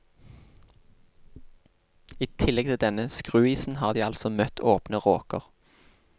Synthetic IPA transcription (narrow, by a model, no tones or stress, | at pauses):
iːt̪ʰɪlɛɡ̚t̪ʰɪld̪ɛnəskʁʉːiːsn̩hɑːʁd̪iːɑlsɔmœt̪ʰoːpnəʁoːkə̰ʁ